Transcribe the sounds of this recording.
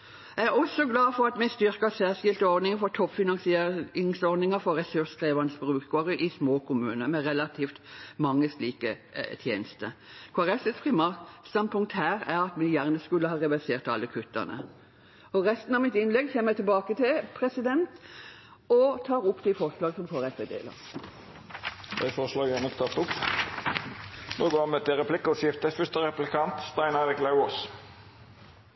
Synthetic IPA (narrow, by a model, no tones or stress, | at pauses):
jæɪæʁɔsɔɡlɑːfɔɾɑt̪mɛɪst̪ʏʁkəsæːsɪlt̪əɔɾd̪nɪŋəfɔt̪ʰɔpfɪnɑnsɪeɪŋsɔɾd̪nɪŋəfɔɾʁɛsʉʂkʁiːʋɑnəsbʁʉːkɡoːɾəʔɪsmoːkʰʊmʉːnəmɛʁɛlɑt̪ʰiːft̪mɑŋːəsliːkət̪ʰjḛːnəst̪ə̰kʰʋɑʁɛsɪsʁɪmɑst̪ɑnpʰʊŋk̚t̪hæːɾæɾɑt̪mɪjæʁnəskʉlːəhɑːʁɛʋæseːʁt̪ɑ̰lːəkʰʉt̪ːə̰ʁnə̰ | ɔʁɛst̪n̩ɑʋmɪt̪ɪnlɛɡçeːməmæɪt̪ɪlbɑːkət̪ʰɪlpʰʁɛsɪd̪ɛnt̪ | ɔt̪ʰɑːʁʊpːd̪ɪfɔʁslɑːɡəsɔmkʰɑʁɛsed̪ḛːlɑ̰ | d̪æɪfɔʁslɑːɡænət̪ʰɑt̪ʊp | noːɡoːmɛt̪ɪɾɛpʰlɪkːəʃjɪft̪əfʏst̪əɾɛplɪkʰɑnt̪st̪æɪnɑd̪ɛkʰlɑʊoːs